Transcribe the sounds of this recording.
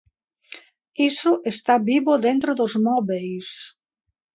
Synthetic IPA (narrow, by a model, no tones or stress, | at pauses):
isʊʔest̪aβiβoðent̪ɾoðʊzmɔβejs